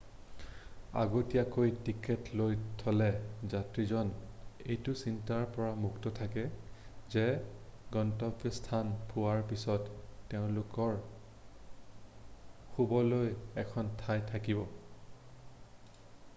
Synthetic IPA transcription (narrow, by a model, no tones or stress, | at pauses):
a̰ɡotijakojtiketlojtʰɔlɛzatɹizɔnejtʊsintaɹpɔɹamuktɔtʰakɛzɛɡɔntɔbjɔstʰanpʰuwaɹpisɔtːeʊ̃lʊkɔɹ | xubɔlojɛkʰɔntʰajtʰakibɔ